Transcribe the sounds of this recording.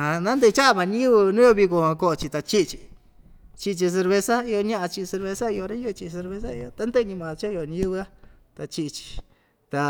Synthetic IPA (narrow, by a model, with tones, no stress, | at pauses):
hã˧nã˦nd̪e˧t͡ʃa˦˧mã˨˧ɲĩ˦ɨ˦βɨ˧nũ˦o˧βi˧ko˧hã˧ko˧ʔo˧t͡ʃi˧t̪a˧t͡ʃi˦ʔt͡ʃi̥˨ | t͡ʃi˧t͡ʃi˧s̬e˧ɾβe˧sa˦i˧o˧ɲã˦ʔa˧t͡ʃi˧se˧ɾβe˧sa˦i˧o˧ɾe˦ju˦˧t͡ʃi˧s̬e˧ɾβe˧s̬a˦ḭ˧o˧t̪a˦nd̪e˦˧ɲĩ˧mã˨˧t͡ʃa˦˧jo˧˨ɲĩ˧ju˦βɨ˧a˦ | t̪a˧t͡ʃi˧t͡ʃi̥˧˨ | t̪a˧